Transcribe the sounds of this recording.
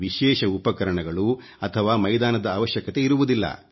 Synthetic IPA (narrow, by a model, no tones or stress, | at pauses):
ʋiʃɛːʃɐupɐkɐɾɐɳɐɡɐɭu | ɐt̪ʰɐʋaːmɐjd̪aːnɐd̪ɐaːʋɐʃjɐkɐt̪e̞iɾuʋud̪ilːɐ̰